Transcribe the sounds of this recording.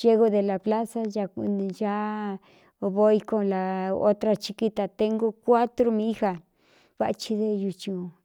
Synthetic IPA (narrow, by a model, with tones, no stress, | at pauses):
je˧ɣo˧d̪e˨la˨pla˦sa˧ja˧˨d͡ʒa˦˧ | βo˧˦jko˧la˨o̰˦t̪ɾa˧t͡ʃi˧ki˧t̪a˨t̪e˧ŋɡo˦˧kʷa˦t̪ɾo˧mĩ˦xa˧ | βa̰˧t͡ʃi˧d̪e˧ju˧t͡ʃu˨